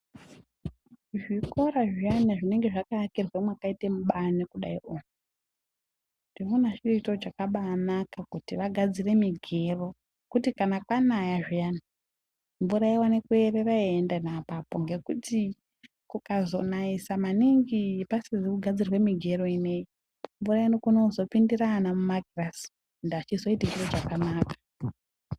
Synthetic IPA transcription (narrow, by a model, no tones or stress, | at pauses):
ʐiko̞ɾaʐianaʐine̞ŋɡe̞ʐakaakirwemwakaitemuɓanikuɗa̰iʔou | ndinoonaʐieitod͡ʒakaɓaːnakakutiʋaɡʱad͡zire̞miɡʱe̞ro̞ | kutikanakwanajaʐijana | mvuɾaewanekue̞reraeendanapapo̞ŋɡe̞kuti | kukazo̞̰naisamaniŋɡipasizikuɡʱad͡zirwe̞miɡʱe̞ro̞ine̞i | mvurainokuno̞zo̞pindiranamumaɡiras | ndat͡ʃizo̞itat͡ʃirod͡ʒakanaːkḁ